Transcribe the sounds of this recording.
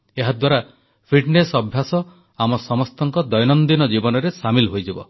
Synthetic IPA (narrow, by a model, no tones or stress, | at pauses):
eɦad̪waɾa | pʰiɖnesɔbʱjasɔ | amɔsɔmɔst̪ɔŋkɔd̪ɔjnɔnd̪inɔd͡ʒibɔnɔɾesamilɦojd͡ʒibɔ